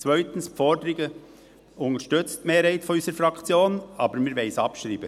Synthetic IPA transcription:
t͡svœʏtən̩sfɔdəɾɪɡə | ʊŋəʃtʏt͡stmeːɾhɛɪtfɔyːsəɾfɾɑkʰt͡sjoːnɑːbəmiːɾvɛɪsɑpʃɾiːbə

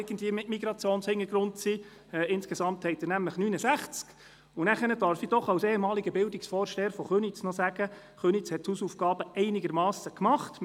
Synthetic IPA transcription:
ɡ̥ən̩dviəmɪtmiɡɾɑt͡sjoːnshɪŋəɡ̥ɾʊntsi | ɛɪnskesɑmthɛɪt̪ɪnæmləχnyːnəsæχt͡sk | ʊnæχənəd̥œɾfid̥ɔχɑwseːemɑːliɡəbɪldiksfɔːɾʃteːəɾfɔχønit͡snɔsæɡ̥ə | χønit͡shɛtthuːsuːfɡ̥ɑːb̥əɛɪnɪɡəɾmɑːsəkmɑχt

